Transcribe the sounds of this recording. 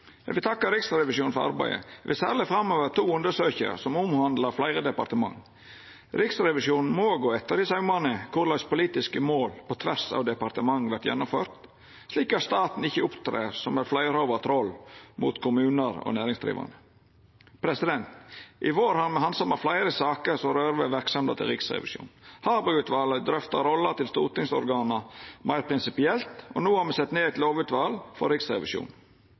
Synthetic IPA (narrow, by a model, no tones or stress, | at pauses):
ʋɪt̪ʰɑkːəɾɪksɾɛʋɪʂjuːn̩fɔɾɑ̰ɾbæ̰ɪə̰ʋʔɪ̰sæːɾlɪfɾɑmoːʋəɾt̪ʰuːʉnd̪əsøːçə̰ɾ̰sɔmʊmhɑnd̪ləɾflæɪɾəd̪ɛpɑɾt̪əmɑ̰ŋː | ɾɪksɾɛʋɪʂjuːnn̩moːɡoːɛt̪ːəɾɪsɑʉmɑnəkʰʊɾlɑɪspʊliːt̪ɪskəmoːlpʰɔt̪ʰʋæsɑ̰ːʋd̪ɛpɑɾt̪əmɑŋːʋæɾt̪jɛ̰nːʊmføːɾt̪ | sliːkɑst̪ɑːt̪n̩ɪçəʊpt̪ʰɾḛːɾsɔmæɾflæɪɾoːʋət̪ʰɾɔlːmṵːt̪kʰʊmʉːnəɾɔ̰næːɾɪŋsd̪ɾḭːʋɑ̰nə | pʰɾɛsɪd̪ɛnt̪ʔɪʋoːɾhɑɾmɛhɑnsɔmɑflæɪɾəsɑːkəsɔɾøːɾʋəʋæɾksɑmd̪ə̰t̪ʰɪ̰lɾɪksɾɛ̰ʋɪ̰ʃṵːnhɑːbʉʉːt̪ʋɑːləd̪ɾœft̪ɑɾɔlːət̪ʰɪlst̪ṵːt̪ɪŋsɔ̰ɾɡɑːnəmæɪɾpʰɾɪnsɪpɪɛlt̪ɔ̰nuːɑmɛsɛt̪neːæɪt̪loːʋʉːt̪ʋɑːlfɔɾiksɾɛ̰ʋɪʃjṵːn